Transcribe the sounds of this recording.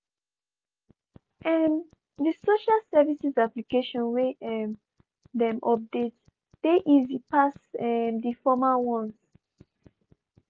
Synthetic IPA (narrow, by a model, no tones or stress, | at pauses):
ʔɛm | disoʃalsɛvisizaplikeʃɔ̃nweɛ | dɛ̃mʔɔp̚det | d̥eʔizipasɛmdifɔmawɔ̃nz